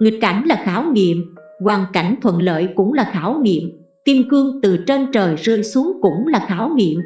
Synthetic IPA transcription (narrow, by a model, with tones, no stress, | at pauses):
ŋi˨˩k̚ka˧˩jŋ̟laː˨˩xaː˨˦wŋḭ˧˨əm | kwaː˨˩ŋka˧˩jŋ̟t̪ʰwə̰˧˨nlə̰ː˧˨jkʊ̰˧˥ŋ͡mlaː˨˩xaː˧˦wŋḭ˧˨əm | t̪i˧əmkɨ˧əŋt̪ɨ˨˩t͡ɕe˧nt͡ɕəː˨˩jzɨ̰˧˨jsu˨˦əŋkʊ̰˧˥ŋ͡mlaː˨˩xaː˨˦wŋḭ˧˨əm